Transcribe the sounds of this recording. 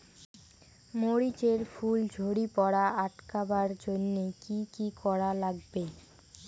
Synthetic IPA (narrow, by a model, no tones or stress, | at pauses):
moɾit͡ɕeɾfuld͡ʑʱoɽipɔɽaʔaʈkabaɾd͡ʑonːekikikɔɾalaɡbe